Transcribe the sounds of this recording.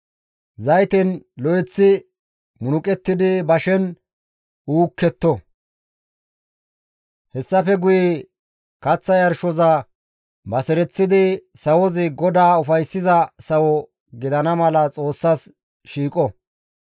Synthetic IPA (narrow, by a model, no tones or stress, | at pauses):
zɐjt̪ɛnlɔjɛt͡sːɪ | mʊnʊkʼɛt̪ːɪd̪ɪbɐʃɛn | uːkːɛt̪ːɔ | hɛsːɐfɛɡʊjɛ | kɐt͡sːɐjɐɾʃɔzɐ | bɐsɛɾɛt͡sːɪd̪ɪsɐwɔzɪɡɔd̪aːʊfɐjsːɪzɐsɐwɔ | ɡɪd̪ɐnɐmɐlɐt͡sʼo̞ːsːas | ʃiːkʼɔ